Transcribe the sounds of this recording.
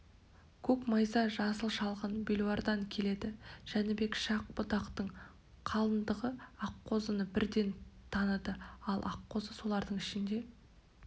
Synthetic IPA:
kʲʰɵkmɑjzɑʒɑsəlˠʃɑlˠʁənbʲelˠuɑɾd̪ɑŋkʲʰe̞le̞d̪ɪʒ̥ænɪbe̞kʃɑq̚bʊt̪ɑqt̪əɴ | qʰɑlˠənd̪əʁəɑqːo̞zənəbɪɾd̪e̞nt̪ʰɑnəd̪əɑlˠʔɑqːo̞zəso̞lˠɑɾd̪əɴɪʃɪnd̪e̞

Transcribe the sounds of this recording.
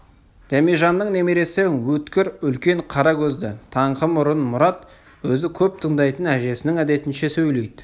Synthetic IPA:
d̪̥æmiʒɑnːəɴne̞meɾe̞sɪwɵt̪kʲɪɾʏlkʲe̞ɴqʰɑɾɑkʲʰɵzd̪ɪt̪ʰɑɴqəmʊɾənmʊɾɑt̪ | wɵzɪkʲʰɵp̚t̪ʰəɴd̪ɑjt̪ənæʒe̞sɪnɪŋæd̪e̞t̪ɪnʃe̞sɵjle̞jd̪ɪ

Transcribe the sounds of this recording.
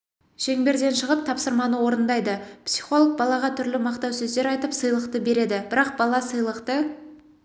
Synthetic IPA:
ʃe̞ŋbe̞ɾd̪e̞nʃəʁəp̚t̪ʰɑpsəɾmɑnəwo̞ɾənd̪ɑjd̪əpsijχo̞lˠəq̚bɑlˠɑʁɑt̪ʰʏɾlɪmɑqt̪ɑwsɵzd̪e̞ɾɑjt̪əpsɨjlˠəqt̪əbe̞ɾe̞d̪ɪbɪɾɑq̚bɑlˠɑsəjlˠəqt̪ə

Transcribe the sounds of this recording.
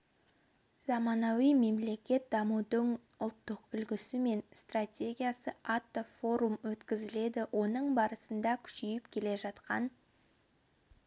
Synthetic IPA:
z̥ɑmɑnɑwijme̞mle̞kʲe̞t̪̚d̪ɑmud̪əɴ | ʊlˠt̪ːəqʏlɡʲɪsɪme̞nst̪ratʲe̞ɡʲijasəʔat̪ːofo̞ɾumwɵt̪kʲɪzɪle̞d̪ɪwʔo̞nəɴbɑɾəsənd̪ɑkʲʰʏ̥ʃʏjɪpkʲʰe̞le̞ʒɑt̪qɑ̰n

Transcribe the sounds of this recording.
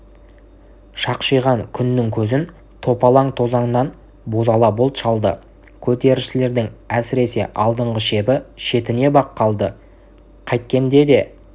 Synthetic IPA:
ʃɑqʃəjʁɑŋkʲʰʏnːɪŋkʲʰɵzɪn | t̪ʰo̞pɑlˠɑɴt̪ʰo̞zɑnənɑn | bo̞zɑlˠɑbʊlˠt̪ʃɑlˠd̪ə̰ | kʲʰɵt̪e̞ɾɪʃɪle̞ɾd̪ɪŋæsɪɾe̞se̞̰ʔɑlˠd̪əɴʁəʃe̞bɪʃe̞t̪ɪne̞bɑqːɑlˠd̪ə | qʰɑjt̪̚kʲe̞nd̪e̞d̪e̞

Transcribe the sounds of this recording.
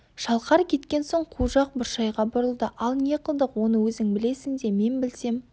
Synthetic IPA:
ʃɑlˠqɑɾkʲʰe̞t̪kʲe̞nso̞ɴqʰuʒɑq̚bʊɾʃɑjʁɑbʊɾəlˠd̪əʔɑlˠnje̞qəlˠd̪əqwo̞nəwɵzɪŋbɪle̞sɪŋd̪e̞me̞nbɪlse̞m

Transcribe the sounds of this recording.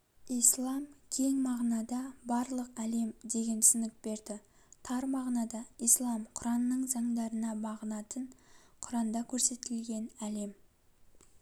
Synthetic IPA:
ijslˠɑmkʲʰe̞ŋmɑʁnɑd̪ɑbɑɾlˠəqæle̞md̪e̞ɡʲe̞nt̪sɪnɪk̚be̞ɾd̪ɪ | t̪ʰɑɾmɑʁnɑd̪ɑijslˠɑmqʰʊɾɑnəːəɴzɑɴd̪ɑɾənɑbɑʁənɑt̪əɴqʰʊɾɑnd̪ɑkʲʰɵɾse̞t̪ɪlɡʲe̞næle̞m

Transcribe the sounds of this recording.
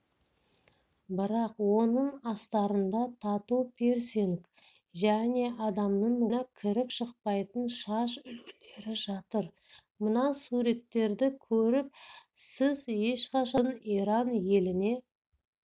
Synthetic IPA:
bɪɾɑqwo̞nəɴɑst̪ɑɾənd̪ɑt̪ʰɑt̪upʰe̞ɾseŋk | ʒæne̞ʔɑd̪ɑmnəɴwonɑkʲʰɪɾɪpʃəqpɑjt̪ənʃɑʃʏlɡɪle̞ɾɪʒɑt̪əɾ | mənɑsuɾe̞t̪ːe̞ɾd̪ɪkʲʰɵɾɪp̚sɪzje̞ʃqɑʃɑniɾɑnje̞lɪne̞

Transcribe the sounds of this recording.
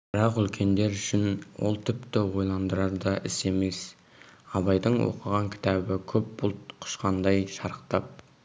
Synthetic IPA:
b̥ɪɾɑqʏlkʲʰe̞nd̪e̞ɾʏʃɪnwʔo̞̰lˠt̪ʰɪpt̪ɪwo̞jlˠɑnd̪əɾɑɾd̪ɑʔɪse̞me̞s | ɑβɑjd̪əɴwo̰qəʁɑŋkʲʰɪ̥t̪ʰɑbɪkʲʰɵp̚bʊlˠt̪qʰʊ̥ʃqɑnd̪ɑjʃɑɾəqt̪ɑp̚

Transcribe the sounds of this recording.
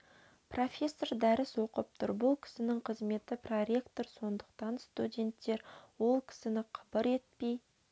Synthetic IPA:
pro̞fʲe̞sːo̞ɾd̪æɾɪswo̞qəp̚t̪ʰʊ̰ɾbʊlˠkʲʰɪ̥sɪnɪŋqʰəzme̞t̪ɪproɾe̞kt̪o̞ɾso̞nd̪əqt̪ɑnst̪udʲe̞nt̪ːe̞ɾwo̞lˠkʲʰɪ̥sɪnɪqʰɑbəɾe̞t̪̚pej

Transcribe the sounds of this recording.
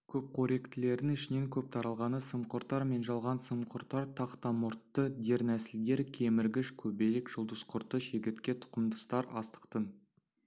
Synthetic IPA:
kʲʰɵp̚qʰoɾe̞kt̪ɪle̞ɾd̪ɪŋɪʃɪne̞ŋkʲʰɵp̚t̪ʰɑɾɑlˠʁɑnəsəmqʊɾt̪ːɑɾme̞nʒɑlˠʁɑnsəmqʰʊɾt̪ːɑɾt̪ʰɑqt̪ɑmʊɾt̪ːəd̪e̞ɾnæsɪld̪e̞ɾkʲʰe̞mɪɾɡʲɪʃkʲʰɵbe̞lekʒ̥ʊlˠd̪əzqʰʊɾt̪əʃe̞ɡʲɪt̪kʲe̞t̪ʰʊ̥qəmd̪əst̪ɑɾɑ̰st̪ə̥qt̪ə

